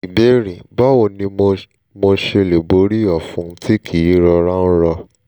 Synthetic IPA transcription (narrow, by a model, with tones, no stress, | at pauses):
i˨be˨˦ɾĩ˨ba˦wo˧˨nĩ˧m˧ | mo˧ʃe˧le˨bo˨˦ɾi˦ɔ˨fũ˨˦ti˦kʰi˨i˨˦ɾɔ˧ɾa˦n̩˦ɾɔ˧